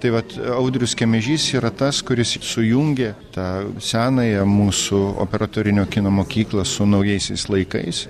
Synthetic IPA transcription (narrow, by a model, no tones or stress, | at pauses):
t̪ɐɪʋɐt̪ɐʊd̪ʲɾʲʊskʲɛmʲɛʒʲiːsiːɾɐt̪ɐskʊɾʲɪssʊjuŋʲɡʲet̪ɑːsʲæːnɐjɛmuːsʊo̰pʲɛɾɐt̪oːɾʲɪnʲoːkʲɪnoːmoːkʲiːklˠɐsʊnɐʊjɛɪsʲɛɪslˠɐɪkɐ̰ɪs